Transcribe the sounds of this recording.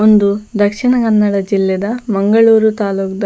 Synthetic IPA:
ond̪ud̪ɐkʂiɳɐkɐnːɐɽɐd͡ʒilːɛd̪ɐmɐŋɡɐɭuːɾut̪aːluːkd̪ɐ

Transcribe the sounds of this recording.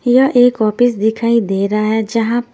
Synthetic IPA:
jɐʔeːkɔːpɪsd̪ɪkʰaːid̪eːɾaaɦɛd͡ʒɐɦãp

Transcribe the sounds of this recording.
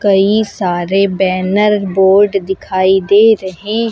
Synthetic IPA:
kɐisaːɾebɛːnəɾboːɾɖd̪ɪkʰaːid̪eːɾɐɦẽ

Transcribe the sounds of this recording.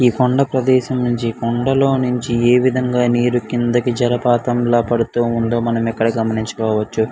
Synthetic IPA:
iːkɔɳɖɐpɾɐd̪ɛːʃɐmnuɲt͡ʃikɔɳɖɐlo̞ːnuɲt͡ʃieːʋid̪ʱɐŋɡaːniːɾukind̪ɐkid͡ʒɐɾɐpaːt̪ɐmlaːpɐɽut̪uːund̪oːmɐnɐmɛkːɐɽɐɡɐmɐniɲt͡ʃɐ̥kɔːʋɐt͡ʃːu

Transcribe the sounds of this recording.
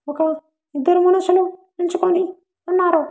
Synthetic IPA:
waka | idəɾmunaʃulonint͡ʃikoni | unːaɾo

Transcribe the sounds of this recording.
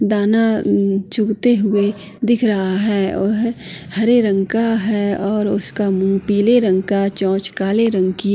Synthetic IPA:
d̪aːnat͡ʃʊɡt̪eɦʊe | d̪ɪkʰɾɐɦaɦɛːʊ̰ɦhɐɾeɾə̃ŋkaɦɛːɔːɾʊskamũːpiːleɾə̃ŋkat͡ʃɔ̃ːt͡ʃkaːleɾə̃ŋki

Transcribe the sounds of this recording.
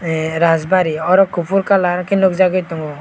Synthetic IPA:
ɾazbaɾiɔɾɔkupʰuɾkalaɾkinɔkzaɡɔjt̪ɔŋɡɔ

